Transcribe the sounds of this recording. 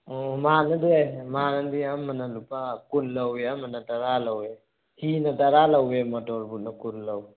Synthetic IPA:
ɔmanadiajmanadiamːanalupakunlaweamanataɾalawe | hinataɾalawemɔtɔɾbut̚nakullaw

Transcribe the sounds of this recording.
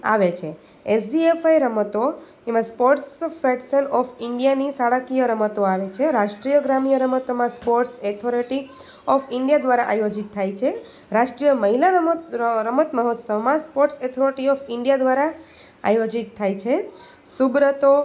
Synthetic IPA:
a̰ʋet͡ʃʰe | esɖiefajɾəmət̪o | emãspoʈsfɛɖsənɔfɪɳɖijanisaɽakijəɾəmət̪oaʋet͡ʃʰeɾaʃʈɾijəɡɾamijəɾəmət̪omãspoʈset̪ʰoɾiʈi | ɔfɪɳɖijad̪ʋaɾaʔajod͡ʒit̪ʰːajt͡ʃʰe | ɾaʃʈɾijəməɦila | ɾəmət̪məɦɔt̪səʋmãspoʈset̪ʰoɾiʈiɔfɪɳɖijad̪ʋaɾa | a̰jod͡ʒit̪ʰːajt͡ʃʰe | subɾət̪o

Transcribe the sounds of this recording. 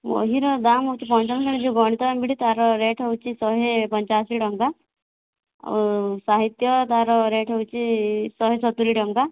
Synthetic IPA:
ʋɔ̰ɦiɾɔd̪amɦɔwt͡ʃipɔnt͡ʃansiɳd͡ʒeɡɔɽ̃it̪ɔambiɽit̪aɾɔɾeʈʰɔwt͡ʃisɔɦepɔɲt͡ʃasiɖɔŋɡa | saɦit̪jɔt̪aɾɔɾeʈʰɦɔwt͡ʃisɔɦesɔt̪uɾiɖɔŋɡa

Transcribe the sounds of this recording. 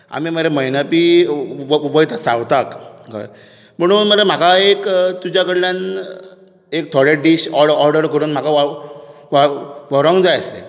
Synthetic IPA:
a̰miməɾeməjnapiʋʋəjt̪ʰasawt̪akka̰ | m̤əɽ̃uːnməɾam̤akaekt̪ud͡ʑjakəɽljãn | ek̚t̪ʰɔɽeɖiɕɔɽɔɾɖəɾkəɾuːnm̤akaʋa | ʋaʋɔɾɔŋɡd͡zajəslḛ

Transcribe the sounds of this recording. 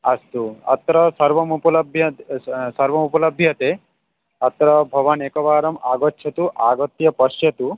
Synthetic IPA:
ɐst̪uɐ̰t̪ɾɐsɐɾʋɐmupɐlɐbʱjɐsɐɾʋɐmupɐlɐbʱjɐt̪e | ɐt̪ɾɐbʱɐʋaneːkɐʋaːɾɐmaːɡɔtːʃʰɐt̪uʔaːɡɔt̪ːjɐpɐʃjɐt̪u

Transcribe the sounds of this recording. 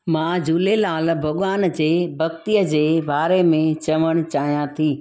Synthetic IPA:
mãːd͡ʑuːlelaːlbʱɐɠaːnd͡ʑeːbʱɐkt̪ijəd͡ʑeːbaːɾemẽt͡ɕɐʋəɽ̃t͡ɕaːɦijãt̪ʰiː

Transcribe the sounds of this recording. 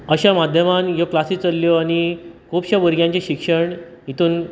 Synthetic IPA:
əɕamad̪ʱjəmãnjoklasiːt͡səlːjɔaɽ̃ikʰupɕaʋəɾɡjãɲt͡ɕeɕikʂəɳ | ɦit̪uːn

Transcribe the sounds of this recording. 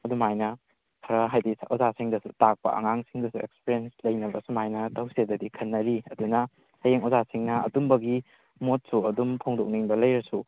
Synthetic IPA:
ɐdumajnɐ | kʰɐɾɐɦajdisaʔozasiŋdɐsutak̚pɐ̰ɐ̰ŋaŋsiŋdɐsuḛkspeɾjenslɐjnɐbɐsumajnɐtɐwsedɐdikʰɐnːɐɾiɐdunɐ | sɐjeŋozasiŋnɐɐ̰tumbɐɡi | mot̚suɐdumpʰoŋdok̚niŋbɐlɐjɾɐsu

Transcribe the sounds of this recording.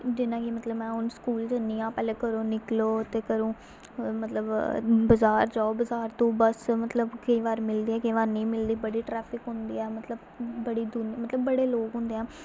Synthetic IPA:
d͡ʒɪnãːkɪmət̪ləbmɛ̃ːʊnskuːlt͡ʃənĩːãːpɛːleːkəɾõːnɪkloːt̪eːkəɾõː | mət̪ləbbəzaːɾd͡ʒaːobəzaːɾt̪õːbəsmət̪ləbkəĩːʋaːɾmɪld̪iːɛːkəĩːʋaːɾnĩːmɪld̪iːbəɽiːʈɾɛːpʰɪkɦʊ̃nd̪ḭːɛːmət̪ləbː | əɽiːd̪ʊnmət̪ləbːəɽeːloːkɦʊ̃nd̪eːɛ̃ː

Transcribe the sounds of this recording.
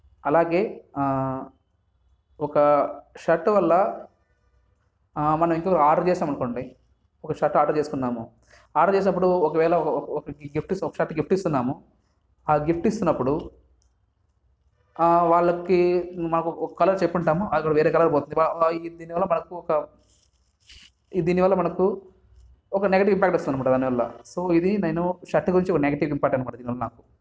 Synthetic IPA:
ɐlaːɡe̞ː | ɔkɐʃɐʈːʋɐlːɐ | mɐnɐmiŋkɔːkɐaːɾɖɐɾt͡ʃɛːsaːmɐnɐko̞ːɳɖi | ɔkɐʃɐʈːaːɾɐɾt͡ʃeːsukunːaːmu | aːɾɖɐt͡ʃeːs̬inɐpːuɽuɔkɐʋɛːlɐkɐɔkɐɡifʈisɔkɐʃɐʈːɡifʰʈist̪unːaːmu | aːɡifʈist̪unːɐpːuɽu | ʋaːɭːɐkimɐnɐkuɔkɐkɐlɐɾt͡ʃepːuɳʈaːmuikːɐɽɐʋe̞ːɾeːkɐlɐɾboɔːt̪und̪iaid̪iːniʋɐlːɐmɐnɐkuɔkɐ | id̪iːniʋɐlːɐmɐnɐku | ɔkɐneɡɐʈ̬iʋimpaːkʈust̪unɐnɐmaːʈɐd̪aːniʋɐlːɐ̰so̞ːid̪ineːnuʃɐʈːɡuɾiɲt͡ʃiɔkɐneɡɐʈiʋimpaːkʈːɐnmaːʈɐd̪iːniʋɐlːɐna̰ːku̥

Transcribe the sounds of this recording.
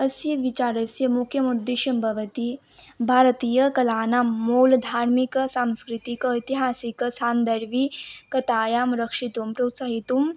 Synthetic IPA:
əsjiʋit͡ɕaɾəsjəmukʰjəmud̪ːiʃɐmbʱɐʋət̪i | bʱaːɾt̪iːjəkɐlaːnamːold̪ʱaɾmiksamskɾit̪ikəit̪iɦasiksand̪əɾʋikət̪aːjamɾəkʂit̪umpɾowt̪saɦit̪um

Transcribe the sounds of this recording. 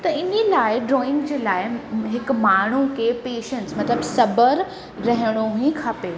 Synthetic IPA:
t̪ɐɪnelaːɪɖɾoːɪ̃ŋɡd͡ʑeːlaːɪɦɪkmaːɳ̤ukʰeːpeːʃənsmɐt̪ləbsɐbəɾ | ɾɐɦɪɽ̃oɦuĩkʰaːpeː

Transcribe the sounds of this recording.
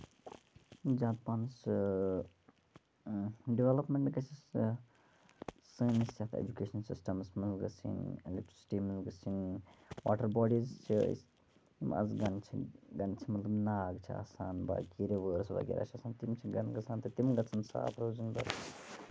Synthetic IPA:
d͡ʒaːt̪̚paːns | ɖiʋelɐpmeɳʈɡɐt͡ʃʰis | sɨnisʲat̪ʰḛd͡ʒukeːʃɐnsḭsʈɐmsmɐnzɡɐ̰sʰḭnelek̚ʈɾi̥si̥ʈimɐnzɡɐsinwa̰ːʈɐɾbɔːɖizt͡ʃʰḭs | imɐ̰zɡɐnt͡ʃʰiɡɐnt͡ʃʰimɐt̪lɐbnaːɡt͡ʃʰia̰ːsaːnba̰kiɾeʋəːɾsʋɐ̰ɡḭɾa̰ːt͡ʃʰiɐsaːnt̪imt͡ʃʰiɡɐnɡɐt͡sʰaːnt̪ɨt̪imɡɐt͡sʰɐnsa̰ːpʰɾoːzund̪ɐ̰

